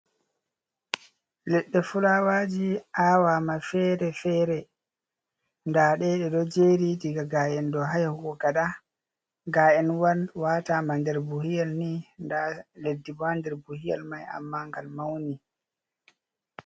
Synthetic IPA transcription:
lɛɗːɛfulawaːd͡ʒiʔaːwamafɛɾɛfɛːɾɛ | ndaɗɛɗɛɗɔd͡ʒeɾitiɡaɡaːjɛndɔɦajahuɡɔɡaɗa | ɡaːʔɛnwawaːtamandɛɾbuhijalnindaledːibandɛɾbuhija̰lmaja̰mːaŋɡalmawni

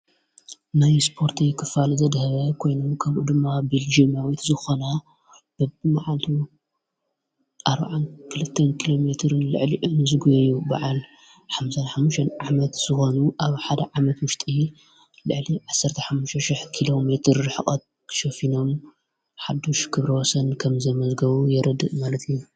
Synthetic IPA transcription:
najspʰo̞ɾt̪ʰikʰɨfalzɐd̪hɐβɐkʰo̞jnomkʰɐβʔṵd̪ɨmːabild͡ʒimjawit̪zɨxona | b̥ɨmaʕalt̪ʰu | ʔaɾba̰ʕankʰɨlɨt̪ʰːɐnkʰilo̞me̞t̪ʰɾɨnlɨ̰ʕliʔɨnɨzɨɡuɐjuba̰ʕal | ħamsɐnħamːuʃɐnʕamɐt̪z̥ɨxo̞nuʔaβħad̪ɐʕamɐt̪wʊʃt̪ʼi | lɨʕliʕasːɐɾt̪ʰɐħamːuʃt̪ɐʃɪħkʰilo̞me̞t̪ʰɾɨħɨχʼɐt̪̚ | kʰʃofino̞m | ħad̪oʃkʰɨβɾɐwɔsɐnkʰɐmzɐmɐzɡɐβujɛɾɐd̪ɨ̰ʔmalɐt̪ʰɨjːu

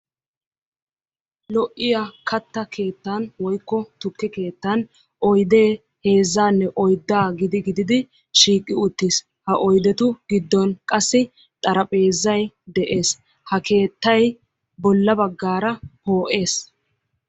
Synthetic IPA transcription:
lɔʔːɪjakʰɐt̪ːɐkʰe̞ːt̪ːanwɔjkːɔt̪ʊkːɪke̞ːt̪ːɐn | ʔɔjd̪eː | he̞ːzːaːnːɛʔɔjd̪ːaːɡɪd̪ɪɡɪd̪ɪd̪ɪ | ʃiːkʼːɪʊt̪ːis | hɐʔɔjd̪ɛt̪ʊɡɪd̪ːɔnkʼɐsːɪ | t̪ʼɐɾɐpʼe̞ːzːɐj | d̪ɛʔe̞ːs | hɐke̞ːt̪ːɐj | bɔlːɐbɐɡːaːɾɐhoːʔe̞ːs

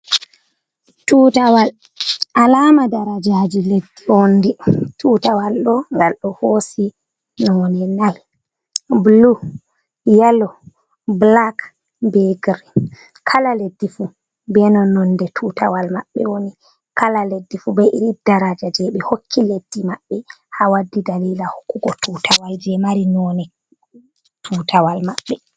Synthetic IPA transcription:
tuːtawal | alaːmadaɾad͡ʒaːd͡ʒiledːionditʰuːtawalɗɔŋɡalɗɔhosi | nɔwoninaj | blu | jalɔ | blak | bɛɡɾ | kʰalaledːifu | bɛnɔnɔndɛtʰuta̰walma̰ɓːɛ̰woni | kʰalaledːifubɛʔiɾidaɾad͡ʒad͡ʒɛɓɛhokʰːiledːimaɓːɛhawadːidalilahu̥kːuɡɔtʰutʰawajd͡ʒɛmaɾinɔnɛ | tʰutʰawalmaɓːɛ

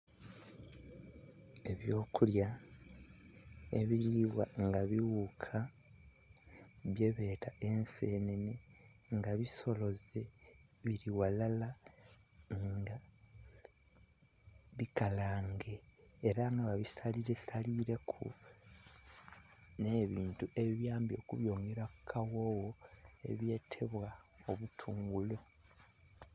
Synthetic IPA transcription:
e̞βjo̞ːkulja | eβiɾiwaŋɡaβiwukʰa | βje̞βe̞ːtaʔe̞nseːnene | ŋɡaβiso̞lo̞ze | βiɾiwalala | ŋɡa | βikalaːŋɡe̞ː | ɾaŋɡaβaβisaliɾesaliɾe̞kʰṵ | ne̞ːβiːntuʔe̞βiβjaːmbjo̞ːkuβjo̞ːŋɡeɾakkʰːawoːwoe̞̰βje̞ːtʰe̞βwa | oβutʰuːŋɡulo

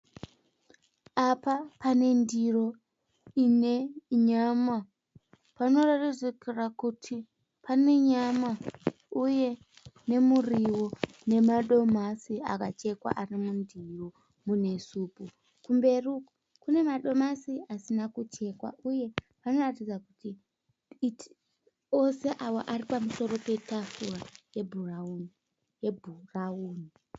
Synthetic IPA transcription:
apapane̞ndiro̞ | ine̞ɲama | pano̞ratid͡zikirakutʰi | pane̞ɲama | uje̞ | ne̞muriwo | ne̞maɗo̞masia̰kat͡ʃe̞kwa̰ʔarimundiro | mune̞suːpu | kumbe̞ruku | kune̞maɗo̞masiasinakut͡ʃe̞kwa̰ʔuje̞ | pano̞ratid͡zakuti | t | o̞se̞ʔawo̰ʔaripamuso̞ɾo̞pe̞tafuraje̞bʱurauni | jebʱurauːni

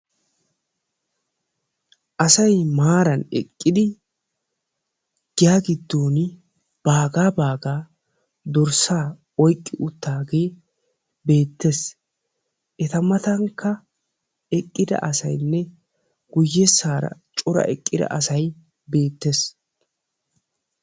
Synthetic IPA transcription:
ʔɐsɐjmaːɾɐnɛ̰kʼːɪd̪ɪ | ɡ̥ɪjaːɡɪd̪ːo̞ːnɪ | b̥aːɡaːbaːɡaː | d̪ɔɾsaː | ɔjkʼːɪʔʊt̪ːaːɡe̞ː | be̞ːt̪ːes | ʔɛt̪ɐmɐt̪ɐŋkːɐ | ɛkʼːɪd̪ɐ̰ʔɐsɐjnːɛ | ɡ̥ʊjːɛsːaːɾɐ̰t͡ʃʼʊɾɐ̰ʔɛkʼːɪd̪ɐ̰ʔɐsɐj | be̞ːt̪ːes

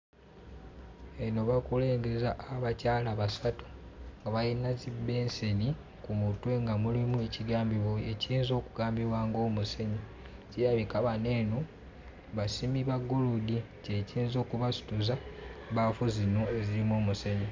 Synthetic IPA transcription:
eno̞βakule̞ːŋɡe̞zaʔːβacaːlaβasatu̥ŋɡaβajinazibe̞ːnseni | kumutweŋɡamulimueciɡaːmbiβoeciːnzo̞ːkuɡaːmbiβwaːŋɡo̞ːmuse̞ɲo | cejaβikaβane̞ːno | βasimiβaɡuludi | ceciːnzo̞ːkuβasu̥tuzaβafuzino̞e̞ziɾimo̞ːmuseɲo

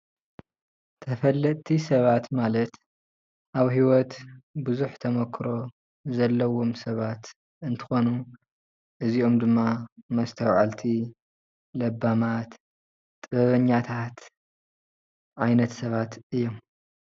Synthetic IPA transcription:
t̪ʰɐfɐlːɐt̪ʰːisɐβat̪malɐt̪ | ʔaβhiwɔt̪bɨzuħt̪ʰɐmɐkʰːɾo̞ | zɐlːɐwo̞msɐβat̪ | ɨnt̪ʰɨ̥xo̞nu | ʔɨziomd̪ɨmːamɐst̪ʰɐwʕalt̪ʰi | lɐbːamat̪ʼː | ɨβɐβɐɲːat̪ʰat̪ | ʔʕajnɐt̪sɐβat̪ɨjːom

